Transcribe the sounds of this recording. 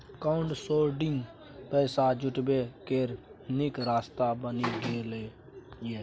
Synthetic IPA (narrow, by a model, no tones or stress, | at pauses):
kaʊɳʈsoːɾɖɪ̃ŋɡ | pɛːsad͡ʒʊʈbekeːɾnɪkɾaːst̪abəniɡeːleː | je